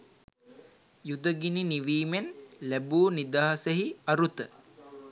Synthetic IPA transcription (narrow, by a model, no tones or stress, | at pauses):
jud̪əɡininiʋiːmenlæbuːnid̪aːɦseɦiɐɾut̪ə